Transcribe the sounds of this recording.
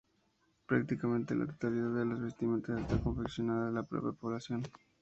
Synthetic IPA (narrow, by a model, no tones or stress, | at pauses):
pɾak̚t̪ikamẽnt̪elʔa̰t̪o̥t̪aliðaðelozβe̞st̪ime̞nt̪osest̪ako̞ɱfeksjo̞naðaðelapɾo̰pjapo̞βlasjo̞n